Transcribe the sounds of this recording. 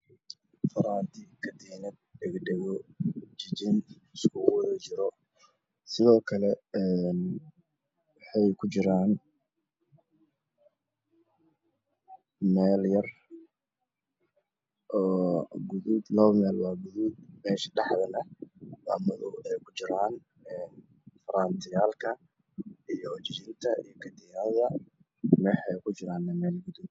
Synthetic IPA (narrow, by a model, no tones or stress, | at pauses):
fɐɾaːnt̪ʰɪkʰɐd̪iːnɐd̪̚ɖɛɡɖɛɣɔd͡ʒɪd͡ʒɪn | ɪskʰʊwðɛːt͡ʃɪɾɔ | sɪðɔːkʰɐlɛɛn | wɑħɑjkʰʊt͡ʃɪɾaːn | mɛːljɐr | ʔɔːɡʊðʊd̪lɐmɛːlwɑːɡʊðʊd̪mɛːʃɖɑħðɐnɐwa̰mɐðʊɛjkʰʊt͡ʃɪɾaːn | ɛːn | fɐɾaːnt̪ʰɪjaːlkʰɐ | ijɔt͡ʃɪt͡ʃɪnt̪ʰɐḭjɔkʰɐd̪ɪjaðɐ | mɛħɛjkʰʊt͡ʃɪɾaːnːɛmɛːlɡʊðʊ